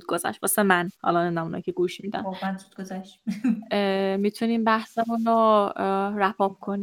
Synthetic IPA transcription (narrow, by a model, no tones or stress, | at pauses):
d̪ɡozæ̰ʃt̪bɒsemænhɒ̰lɒnend̪æmunɒ̰jikʰcʰeɡuːʃmiːd̪æ̰nomænzud̪̚ɡozæʃ | mit̪ʰuniːmbæhsemunɾo | ɾæpʰɒːb̥̚kʰoni